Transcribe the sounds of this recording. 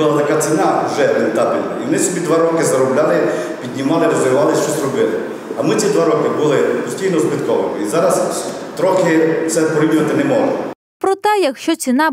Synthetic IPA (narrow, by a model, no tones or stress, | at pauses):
ʊlˠat̪ɐkat͡ssʲinɑʒɛment̪abʲilʲnɐ̰iʋɔnɪsɔbʲid̪ʋaɾɔkɪzɐɾɔblʲalˠɪ | pʲid̪ʲnʲimɑlˠɪɾezeɾʋɑlˠɪʃt͡ʃɔsʲrɔbɪlˠɪ | ɐmɪt͡sʲid̪ʋaɾɔkɪbulˠɪpɔsʲtʲijnɔsbɪt̪kɔʋɪmɪ̰izɑɾɐst̪ɾɔxɪt̪sɛpɔɾib̪ʲnɐt̪ɪnɛmɔɦɔ̰ | pɾɔt̪ɛjɐkʃt͡ʃɔt͡sʲinɑ